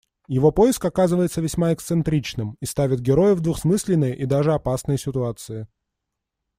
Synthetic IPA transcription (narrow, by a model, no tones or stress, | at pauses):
jɪvo̞po̞jɪskɐkazɨvəjɪt̪səvʲɪsʲmaɪkt̪sɨnt̪ɾʲit͡ɕnɨmist̪avʲɪt̪̚ɡʲɪɾo̞jɪvd̪vʊxsmɨsʲlʲɪnːɨjəʔid̪aʐɨɐpasnəjsʲɪt̪ʊat̪sɨɪ